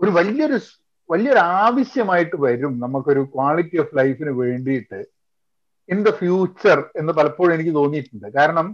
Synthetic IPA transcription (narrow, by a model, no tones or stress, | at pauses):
oɾuʋɐljɐoɾu | ʋɐlijɐo̞ɾaːʋɐɕjɐmaːjiʈːɨʋɐɾumnɐmukːo̞ɾukwaːɭitːiɐflɐjfinɨʋe̞ːɳɖijiʈːɨ | ind̪ɐfjuːt͡ɕːɐre̞nːɨpɐlɐpːoːɻe̞nikʲːɨt̪o̞ːnːijʈːuɳɖɨkaːɾɐɳɐm